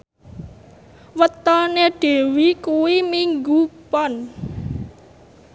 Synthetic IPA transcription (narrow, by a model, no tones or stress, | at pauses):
wət̪ɔneɖ̥e̤wikuwimiŋɡupɔn